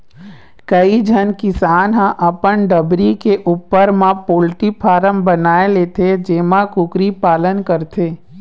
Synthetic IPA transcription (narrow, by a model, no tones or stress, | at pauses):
kəid͡ʒʱənkɪsaːnɦə̃ʔəpəɳɖəbɾikeʔuːpːəɾmãpoːlʈipʰaːɾəmbənaːeleːt̪ʰed͡ʒeːmãkʊkɾipaːlənkəɾt̪ʰeː